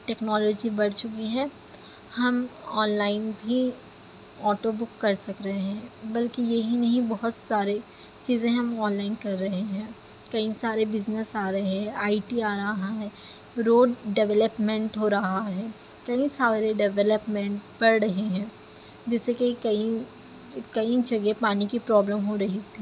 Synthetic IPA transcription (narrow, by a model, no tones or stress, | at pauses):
ʈɛːknɔːlɔːd͡ʒibɐɽt͡ʃʊkiɦɛː | hɐmɔːnlaːɪnbʱi | ɔːʈobʊkːɐɾsɐkɾɐɦɛ̃ːbɐlkijɐɦinɐɦĩbɐɦʊt̪saːɾe | t͡ʃiːzẽɦɐmɔːnlaːɪnkɐɾːɐɦeɦɛ̃ː | kɐĩsaːɾebɪznəsaːɾɐɦeɦɛ̃aːɪʈiaːɾɐɦaɦɛː | ɾoːɖɖɛʋɛləpmɛ̃ɳʈɦoːɾɐɦaɦɛː | kɐĩsaːɾeɖɛʋɛləpmɛ̃ɳʈpɐɾɾɐɦeɦɛ̃ː | d͡ʒɛːsekikɐi | kɐid͡ʒɐɡepaːnikipɾɔːbləmɦoɾɐɦit̪ʰiː